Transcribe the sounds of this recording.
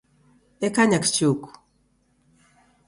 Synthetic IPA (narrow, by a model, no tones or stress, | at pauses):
ɛkaɲakt͡ʃuku̥